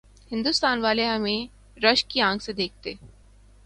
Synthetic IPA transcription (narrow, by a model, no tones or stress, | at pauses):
hɪ̃nd̪ust̪aːnʋaːleɦɐmẽ | ɾɐʃkiãːŋksed̪eːk̚ʰt̪eː